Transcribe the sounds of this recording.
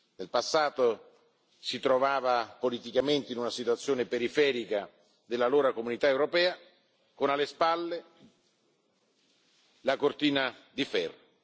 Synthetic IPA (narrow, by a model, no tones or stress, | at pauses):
nelpasːaːt̪o | sit̪ɾovaːvapolit̪ikament̪einunasit̪wat̪sːjoːnepeɾifɛːɾika | d̪elːaloːɾakomunit̪aewɾopɛːa | konalːespalːe | lakort̪iːnad̪ifɛrːo